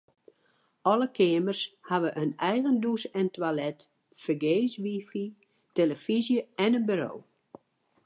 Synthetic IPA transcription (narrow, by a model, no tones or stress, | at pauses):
ɔləkʰɪəmərshaʋəʔənɛjɣəndusɛntwalɛt | fərɡeːsʋifi | teləfizjəɛnənbyɾo̰ː